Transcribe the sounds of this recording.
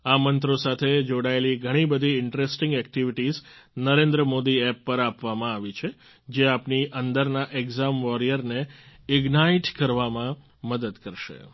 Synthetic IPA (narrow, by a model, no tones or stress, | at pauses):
amənt̪ɾosat̪ʰed͡ʒoɽaeliɡʱəɽ̃ibəd̪ʱiɪɳʈɾesʈɪ̃ŋɡɛk̚ʈiʋiʈiznəɾẽnd̪ɾəmod̪iɛpːəɾapʋamãaʋit͡ʃʰe | d͡ʒeapniʔənd̪əɾnaʔeɡzamʋɔɾijəɾneɪɡnaiʈkəɾʋamã | məd̪əd̪kəɾʃḛ